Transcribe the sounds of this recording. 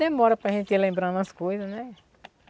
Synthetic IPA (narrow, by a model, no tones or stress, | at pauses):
emɔɾɐpɾɐʒẽnt̪ilẽmbɾɐ̃nd̪ɐskojzɐsnɛ